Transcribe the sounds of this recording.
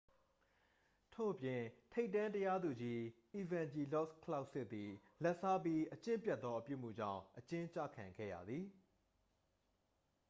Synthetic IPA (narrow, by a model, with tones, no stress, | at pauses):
tʰo̰˦˨ʔəpjɪ̃˨tʰe˦ɪtːã˦ntəja˦d̪u˨d͡ʑi˦ʔi˨vã˨ɲd͡ʑi˨lɔ˦skʰla˦ʊʔsɪ˦t̪̚t̪ːi˨ | lɛ˦ʔsa˦pji˦ʔət͡ɕɪ̃˦mpjɛ˦t̪ːɔ˦ʔəpjṵ˦˨m̥ṵ˦˨d͡ʑã̰˦˨ʊ̃ʔət͡ɕɪ̃˦t͡ɕä̰˦˨kʰã˨ŋɡɛ̰˦˨jä̰˨d̪ði˨